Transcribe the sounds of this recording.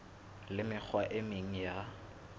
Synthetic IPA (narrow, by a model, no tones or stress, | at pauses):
lɪmɪk͡xʰwaʔɪmɪŋ̩ja